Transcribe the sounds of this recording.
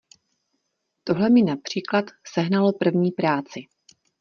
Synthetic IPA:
t̪o̞ɦlɛmɪnapr̝̥iːklat̪sɛɦnalopr̩vɲiːpɾaːt͡sɪ

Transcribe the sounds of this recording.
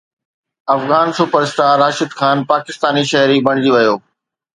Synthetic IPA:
ɐfɣaːnsuːpəɾɪsʈaɾaːʃɪd̪xʰaːnpaːkɪst̪aːniʃɐɦɾibɐɽ̃d͡ʑiʋɐjoː

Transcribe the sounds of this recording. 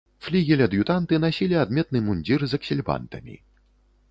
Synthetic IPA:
flʲiɣʲilʲɐd̪jut̪ant̪ɨnasʲilʲiad̪mʲɛt̪nɨmunʲd͡zʲirzɐksʲilʲba̰nt̪ɐ̰mʲḭ

